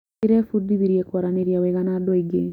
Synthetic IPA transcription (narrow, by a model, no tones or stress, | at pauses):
iɾɛfud̪iβiɾjɛkwaɾaneɾjaweɣanadɔeɡe